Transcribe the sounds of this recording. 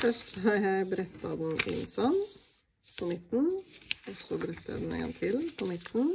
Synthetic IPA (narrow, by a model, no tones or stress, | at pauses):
fœʂʈɑjæɪbəɾɛt̪ʰːɑd̪ɛnɪ̰nsɔn | pʰɔmɪt̪n̩ɔsɔbɾɛt̪ːɑjæ̰ɪd̪n̩ɛ̰ŋɡɑ̰ŋt̪ʰɪlpʰɔmɪt̪n̩